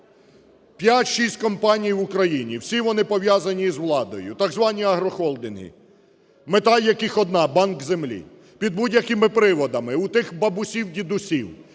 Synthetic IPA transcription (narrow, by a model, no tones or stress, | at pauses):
pʲjatʲʃisʲtʲkɔmpɑnʲijʋʊkɾɐjinʲiwsʲiʋɔnɪpɔʋjazɐnʲizʋlˠɑd̪ɔjʊ̰t̪ɑɡzʋɑnʲiɐɦɾɔxɔlˠd̪ɪnɦḭ | met̪ɑlʲjɐkɪxɔd̪nɑbɑnkzemlʲḭ | pʲid̪̚budʲjɐkɪmɪpɾɪʋɔd̪ɐmɪut̪ɪxbɐbʊsʲiwdʲid̪ʊsʲiw